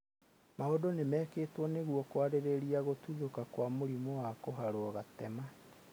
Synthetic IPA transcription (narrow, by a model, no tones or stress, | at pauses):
maodonemɛːkeːtwɔneɣwɔkwaɾeɾeɾiaɣotuðokakwamoɾimowakoɦaɾoɔɣatɛma